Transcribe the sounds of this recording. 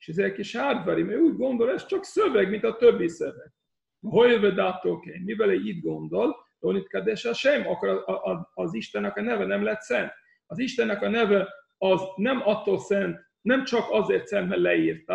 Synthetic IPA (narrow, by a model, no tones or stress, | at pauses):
e̥ʃɛzeɾkiʃhaːrd̪vaɾimøːuːɟɡo̞nd̪o̞lɛst͡ʃɒksøvɛɡmint̪ɒt̪øbːisøvɛɡ̥̚ | ɦojlvɛd̪at̪ːokenmivɛlɛiːd̪ɡo̞nd̪o̞ld̪onit̪kad̪ɛʃaʃɛjmɒkːoɾʔʔːziʃt̪ɛnːɛkɒnɛvɛnɛmlɛt̪sɛnt̪ | ɒziʃt̪ɛnːɛkɒnɛvɛ | ɒznɛmɒt̪ːoːlsɛnt̪ | nɛmt͡ʃɒkɒzeːrt̪sɛmbɛllɛiːrt̪a